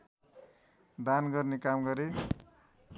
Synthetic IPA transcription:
d̪anɡʌrnekamɡʌɾe

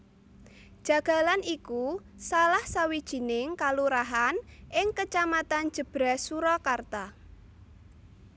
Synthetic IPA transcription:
d̥ʒ̥a̤ɡ̥a̤laniku | salahsawid̥ʒ̥i̤nɪŋkaluɾaɦanʔɪŋkət͡ʃamat̪an̥ʒ̥ə̤b̥ɾahsuɾɔkart̪a

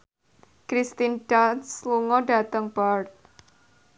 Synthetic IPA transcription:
kɾist̪indansluŋɔɖa̤t̪əŋb̥art̪̚

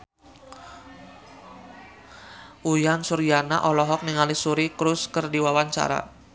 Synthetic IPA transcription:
ʔujansurijana̰ʔɔlɔɦɔk̚niŋalisuɾikɾʊskərdiwawaɲt͡ʃa̰ɾa̰

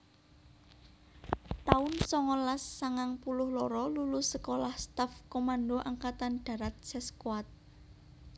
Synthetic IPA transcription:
t̪aʊnsɔŋɔlasːaŋaŋpulʊhlɔɾɔlulusəkolahst̪afkomanɖo̤ʔaŋkat̪anɖ̪̥ä̤ɾat̪̚sɛskwat̪̚

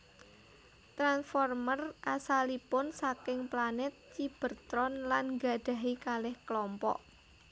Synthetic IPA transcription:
t̪ɾansfɔrmərʔasalipʊnsakɪŋplanɛt̪̚t͡ʃib̥ə̤rt̪ɾɔnlanŋɡa̤ɖ̥a̤ɦikalɛhkəlɔmpɔ̰ʔ

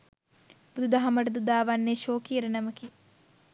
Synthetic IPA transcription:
bud̪ud̪ɐɦɐmɐʈɐd̪ud̪aːʋɐnːeʃoːkijɾɐnɐmɐki

